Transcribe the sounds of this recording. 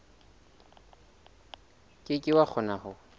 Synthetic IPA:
kʼɪkʼɪwak͡xʰʊnahʊ

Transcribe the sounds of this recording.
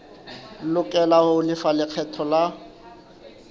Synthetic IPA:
lʊkʼɛlahoʊlɪfalɪq͡χʰɛtʰɔla

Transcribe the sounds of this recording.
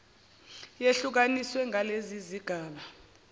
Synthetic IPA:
jeɬuk̬aniswɛŋaleziziɡ̥ʱaːɓa

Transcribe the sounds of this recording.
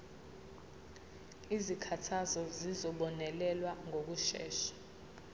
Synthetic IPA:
izikʰatʰazɔzizɔɓɔnɛlɛlwaŋok̬uʃɛ̰ːʃḁ

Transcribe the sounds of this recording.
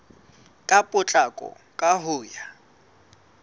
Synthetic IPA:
kʼapʼʊt͡ɬʼakʼɔ̰ | kʼaɦʊːja

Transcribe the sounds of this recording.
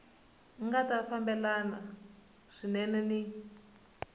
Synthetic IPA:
ŋɡatafambɛlana̰ | ʂinɛnɛni

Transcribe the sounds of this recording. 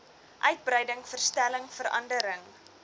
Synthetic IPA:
ʔœɥt̚bɾɛjdəŋfərstæləŋfəɾɐ̰ndəɾəŋ

